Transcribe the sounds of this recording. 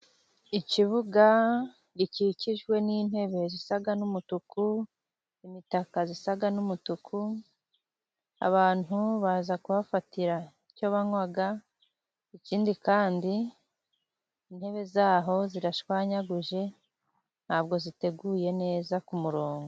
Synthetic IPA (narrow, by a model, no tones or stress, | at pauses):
iciβuɡa | ɟiciciʒɡwe̞niːn̥he̞βe̞zisaɡanumutuku | imitakazisaɡanumutukʰu | a̰βaːn̥uβazakuβafatiɾaico̞βaŋwaɡa | iciːndikaːndi | n̥he̞βe̞zaːɦo̞ziɾaʃwaːɲaɡuʒe̞ | n̥haːbɡo̞zite̞ɡuje̞ne̞ːzakumuɾo̞ːŋɡo